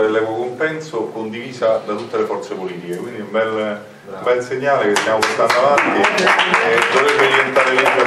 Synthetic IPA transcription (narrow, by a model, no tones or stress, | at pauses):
elːɛkwokompɛnsokond̪iviːzad̪at̪ut̪ːelefɔrt̪sepoliːt̪ikekwind̪iumbɛl | umbɛlseɲːaːlekest̪jaːmoport̪and̪oavant̪i | d̪ovɾebːeolient̪aːɾelɛpo